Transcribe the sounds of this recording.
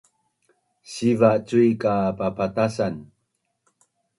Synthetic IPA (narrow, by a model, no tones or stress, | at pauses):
ɕivat͡sujkapapatasan